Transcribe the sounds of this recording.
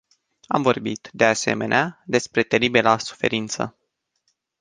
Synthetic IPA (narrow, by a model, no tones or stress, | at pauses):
a̰mvo̞rbit̪d̪e̞ase̞̰me̞̰nead̪e̞spɾe̞t̪e̞ɾibelasu̥fe̞̰ɾint̪sə̰